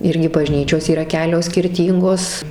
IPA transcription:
ˈɪrʲɡʲɪ bɐˈʒʲnʲiːt͡ʃʲoːs iːˈrɐ ˈkʲæːlʲoːs sʲkʲɪrʲˈtʲiːŋɡoːs

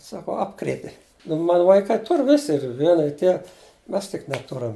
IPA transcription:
ˈsɑːkoː ˈɑːpkrʲeːtʲɪ nʊ ˈmɑːnʊ ʋɐɪˈkɐɪ ˈtʊr ˈʋʲɪsʲɪ ɪr ˈʋʲiɛnɐ ɪr ˈtʲiɛ ˈmʲɛs tʲɪk nʲɛˈtʊrɐm

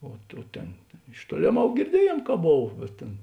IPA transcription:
oː ˈtuː ˈtʲeːn ɪʃ ˈtuɔlʲeːˌmɐʊ ɡʲɪrʲˈdʲiɛjeːn kɐ ˈboːw bʲɛt ˈtʲeːn

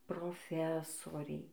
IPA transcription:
proːˈfʲæːsoːrʲɛɪ

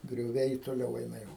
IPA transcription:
ɡrʲoːˈʋʲɛɪ toːˈlʲɛʊ ˈɛɪnɐ ˈjɛʊ

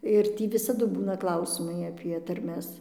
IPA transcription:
ɪr ˈtʲiː ʋʲɪsɐˈdʊ ˈbuːnɐ ˈklˠɐʊsʲɪmɐɪ ɐpʲiɛ tɐrʲˈmʲɛs

